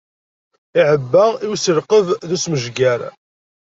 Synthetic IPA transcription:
ɪʕəbːæiwisəɾqəvðusməʒɡæɾ

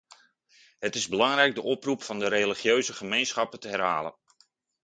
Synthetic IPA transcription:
ɦətɪzbəlɑŋrɛjɡ̚dəʔɔprupfɑndəɾeliχjøɥzəχəmejnsχɑpətəɦɛrɦa̰ːlə̰n

